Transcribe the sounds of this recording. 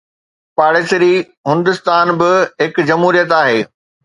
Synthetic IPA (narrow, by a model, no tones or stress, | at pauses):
paːɽɪsɾiː | ɦʊ̃nd̪ɪst̪aːnbɪɦɪkd͡ʑɐmɦuːɾijət̪aːɦeː